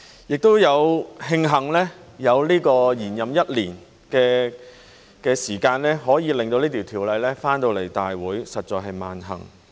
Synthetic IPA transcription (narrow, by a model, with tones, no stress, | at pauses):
jɪ˨k̚t̪o˥wjɐ˨˧whɪ˧ŋɦɐ˨˩ŋlɛː˥jɐ˨˧wliː˥kɔː˧jiː˨˩njɐ˨mjɐ˥t̚liː˨˩n | kɛː˧ | kɛː˧siː˨˩kaː˧nlɛː˥ɦɔː˨˥jiː˨˧lɪ˨ŋt̪o˧wniː˥t̪ʰi˨˩wt̪ʰiː˨˩wlɐ˨˧jlɛː˥faː˥nt̪o˧wle˨˩jt̪aː˨jwuː˨˥jsɐ˨t̚t͡ʃɔː˧jɦɐ˨jma̰ː˨˩nɦɐ̰˨˩ŋ